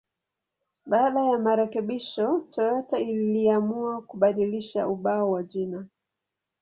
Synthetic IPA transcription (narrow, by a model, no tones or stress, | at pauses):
ɓaːɗajamaɾɛkɛɓiʃɔtɔɾɔtailliamuakuɓaɗiliʃauɓaɔwaʄina